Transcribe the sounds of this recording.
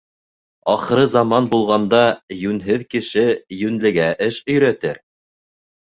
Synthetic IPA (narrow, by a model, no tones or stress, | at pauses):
ɑχɤ̆ɾɤzɑmɑnbulˠʁɑnd̪ɑjʉnɦɘðkɘ̆ʃɘjʉnlɘ̆ɡæʔɘʃɵ̆jɾæt̪ɘɾ